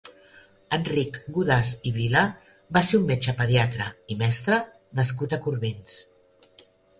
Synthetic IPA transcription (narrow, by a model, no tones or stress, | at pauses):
ənrikɡuðasiβila | baseumːet͡ʃəpəðjat̪ɾəimɛst̪ɾə | nəskut̪əkuɾβins